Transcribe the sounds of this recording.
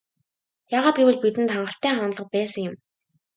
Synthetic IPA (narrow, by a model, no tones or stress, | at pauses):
jaːʁaːt̪̚ɡewɘ̆ɮpit̪ɘ̆nt̪χaɴɢə̆ɬt̪æːχan̆ɮə̆q̚pæːsə̆ŋjʊ̆m